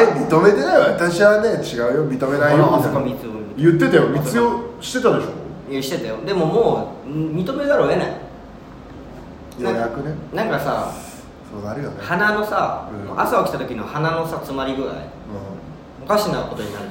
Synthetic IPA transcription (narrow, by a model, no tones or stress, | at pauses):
emʲit̪o̞me̞t̪enaiβaat̪aɕiβane̞t͡ɕiɡaɯ̟jomʲit̪o̞me̞naiookomʲit͡sɨojɯ̟t̪ːe̞t̪ajomʲit͡sɨoɕi̥t̪e̞t̪ad̪eɕoeɕi̥t̪et̪ajod̪e̞mo̞moːmʲit̪o̞med̪aɾoena̰i | j̪ãjakɯ̟nenãŋkasa̰ | soːnaɾʲiɡat̪hanano̞saa̰saokʲi̥t̪at̪o̞kʲinohanano̞sat͡sɨmaɾʲiɡɯ̟ɾa̰ḭ̃ | okaɕinako̞t̪o̞ɲina